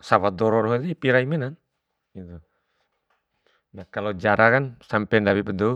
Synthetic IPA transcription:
sawad̪ɔɾɔɾɔɦɛt̪ɛipiɾaiminan | it̪u | nakalod͡ʒaɾakansampɛndawibəd̪ɔu

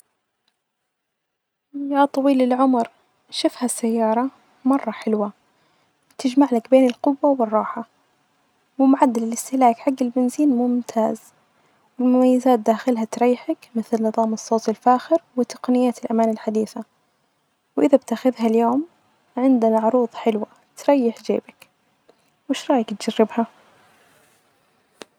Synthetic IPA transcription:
jaːt̪ˤːɑwiːlɪlʕʊmɾ | ʃɪfhasːajːɑːɾˤɑ | mɑrˤːɑħɪlwa | t̪ɪd͡ʒmaʕlakbeːnɪlqʊwːawɪrˤːɑːħa | wɪmʊʕad̪ːalɪlʔɪst̪ɪhlaːkħaɡːɪlbɪnziːnmʊmt̪ʰaːz | wɪlmʊmajːazaːt̪̚d̪aːxɪlɦat̪ɾˤɑjːħakmɪθlnɨðˤɑːmɨsˤːoːt̪ɪlfaːxɪɾwɪt̪ɑ̥qnɪjːaːt̪ɪlʔamaːnɪlħad̪iːθa | wʔɪðabt̪axɪðɦaljoːm | ʕɪnd̪anaʕʊɾuːðˤħɪlwa | t̪ɾˤɑjːɪħd͡ʒḛːbak | wɪʃɾˤɑːjakt̪̚d͡ʒarːɪbha

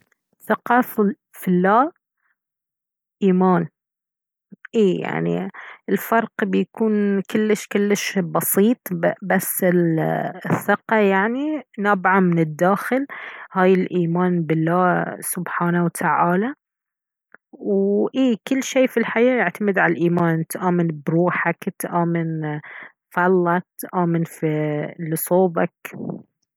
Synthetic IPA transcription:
θɪqɑf | fɪlːaː | ʔiːmaːn | ʔiːja̰ʕnḭʔɪlfɑɾˤqbɪjakuːnkɪlːɪʃkɪlːɪʃbɑsiːt̪ˤbasːɪlɪθːɪqɑjaʕninabʕamɪnɪd̪ːaːxɪlhaːjɪlʔiːmaːnbɪlːaːsʊbħaːnawt̪ʰaʕaːla | wʔiːkɪlːʃeːfilħajaːjɪʕt̪amɪd̪ʕalalʔiːmaːnɪt̪ʔaːmɪnbɾuːħakt̪ʔaːmɪn | fɑlːak̚t̪ʔaːmɪnfilisˤoːba̰k

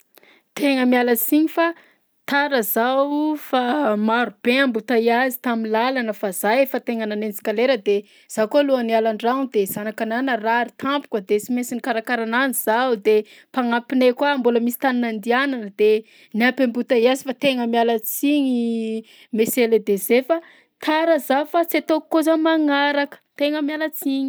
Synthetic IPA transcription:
t̪ʰeŋəmialat͡siɲifa | t̪aɾəzawfamaɾub̥eambut̪aiazi̥t̪aminlalanəfaz̥ajefət̪eŋananent͡si̥kaleɾəd̪e | z̥akoluənialaɳɖ͡ʐaŋd̪ez̥anakananəraɾit̪ʰampu̥kəd̪et͡simesinikaɾakaɾananiz̥awd̪e | paŋapinekwaːmbuləmisi̥t̪anunand̪iananəd̪̥e | niampambut̪aiazifat̪eŋəmialət͡siɲi | meseled̪ezefa | t̪ʰaɾəzafat͡set̪okːozəmaŋaɾakə̥t̪eŋəmialət͡siɲi̥

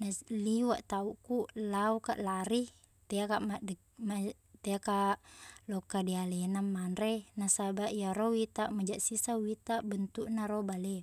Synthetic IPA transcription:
nasliwaʔt̪auʔkulauka̰ʔlaɾi | t̪ɛakaʔmad | ma | t̪ɛakalɔkadialɛnamːanɾenasabaʔjaɾɔwit̪aʔmad͡ʒaʔsisawit̪aʔbənt̪uʔnaɾɔbalɛ

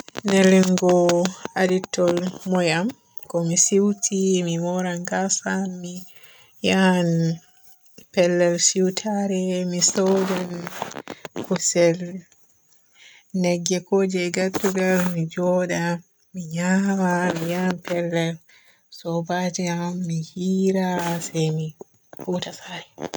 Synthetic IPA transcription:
nɛliŋɡɔaditːɔlmɔjam | kɔmisiwtʰimimɔɾaŋɡasaːi | jan | pɛlːɛlsiwtʰaɾɛmisɔwdan | kusɛl | nɛɡːɛkoːd͡ʒɛɡadːuɡalmid͡ʒɔːɗa | miɲamamijanpɛlːɛl | sɔbatɛamːihiːɾasɛjmi | futasaːɾɛ

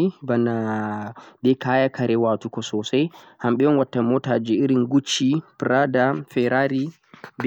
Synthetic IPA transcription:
ibana | bɛkaːjakʰaɾɛwaːtukɔsɔsajhamɓɛɔnwatːamɔtad͡ʒiiɾinɡut͡ʃːipɾadafɛɾaɾi | b

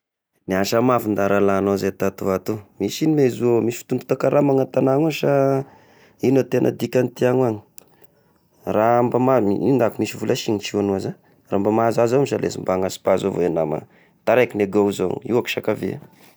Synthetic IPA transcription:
niaʃamafund̪aɾalanozet̪at̪uat̪umisinimezuomisi̥fi̥t̪und̪u̥t̪akaɾamaŋat̪anaŋuʃa | inat̪enʔə̰d̪ikʲant̪iaŋuaɲi̥ | rambamamiind̪akumisivulʔaʃiɲit͡ʃianuaza | rambamazazamiʃalḛzḭmbaŋasi̥pazovoenama̰ | t̪aɾakineɡauzoŋḭwaki̥ʃakavia̰

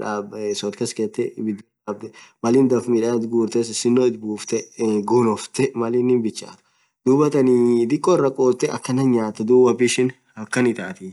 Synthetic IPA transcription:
ᶑaːbsɔt̪kɐskeːt̪ːɛbɪd̪ː | b̚d̪ɛmɐliːnd̪ɐfmiᶑɐt̪ɡuːɾt̪esɪsɪnːoːɪt̪buːft̪ɛɡunɔft̪ɛmɐlinɪmbɪt͡ʃːa̰ːt̪ʊ̥ | d̪̥uːbɐt̪ɐnid̪ɪkʼːɔɪrːɐkʼoːt̪ːɛʔɐkːɐnːɐnɲaːt̪ːɛd̪uːbɐbɪʃɪn | hɐkːɐnɪt̪aːt̪ɪ

